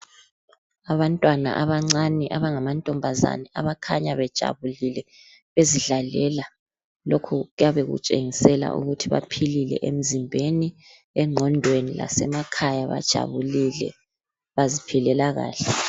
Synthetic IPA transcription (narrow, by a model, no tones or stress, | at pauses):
aβantʼwana̰ʔaβaŋ͡ǀanɛʔaβaŋamantʼɔmbʱaza̰nɛaβakʰaɲaβɛd̥ʒ̥ʱa̰βulilɛ | βeziɮalɛla | lokʰuɣujaβeɣṵt͡ʃʼḛŋisɛla̰ʔṵɣutʰiβa̰pʰililɛ̰ʔem̩zimbʱeni | ɛŋ͡ǀʱɔndʱwenila̰sɛmakʰajaβa̰d̥ʒ̥ʱa̰βulilɛ̰ | βazipʰilɛlaɣa̰ːɬɛ